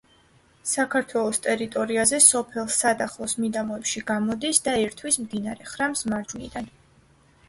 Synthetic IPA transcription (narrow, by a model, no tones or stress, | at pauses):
sakʰaɾt̪ʰwɛlˠɔst̪ʼɛɾit̪ʼɔɾiazɛsɔpʰɛlˠsad̪aχlˠɔsmid̪amɔɛpʃiɡamɔd̪isd̪aɛɾt̪ʰwismd̪inaɾɛχɾamsmaɾd͡ʒunḭd̪an